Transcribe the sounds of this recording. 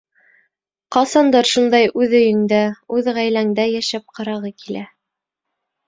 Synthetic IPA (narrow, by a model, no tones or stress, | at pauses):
qɑsɑnd̪ɑɾʃund̪ɑjʔʉðɵ̆jɘ̆ŋd̪æʉðʁæjlæŋd̪æjæʃæp̚qɑɾɑʁɤkilæ